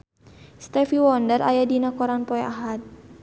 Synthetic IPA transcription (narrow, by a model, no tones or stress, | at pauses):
st̪ɛfiwɔndərʔajadinakɔɾanpɔɛʔaɦat̪̚